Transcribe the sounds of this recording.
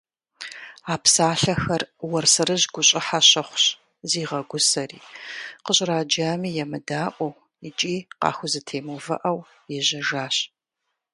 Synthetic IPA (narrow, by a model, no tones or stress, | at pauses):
aːpsaːɬɐxɐrwɐrsɐrɨʑɡʷʊɕʼɪħaɕɐχʷɕ | ziːʁɐɡʷʊsɐrḭːqəɕʼraːd͡ʒaːmiːjɛmɨdaːʔʷʼɔw | ɪt͡ʃʼiːqɑ̰ːxʷʊzɨtʰeːmuvɐ̰ʔɐw | jɛʑɐʒaːɕ